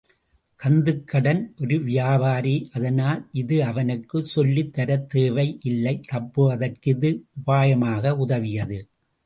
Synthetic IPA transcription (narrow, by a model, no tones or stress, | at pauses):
kɐnd̪ɯkːɐɽɐnʔɔɾɯʋɪjaːbaːɾiʔɐðɐnaːlʔɪðɯɐʋɐnɯkːɯsɔlːit̪ːɐɾɐt̪ːeːʋɐɪʔɪlːɐɪt̪ɐpːɯʋɐðɐrkɪðɯʊʋaːjɐmaːɣɐʊðɐʋɪjɐðɯ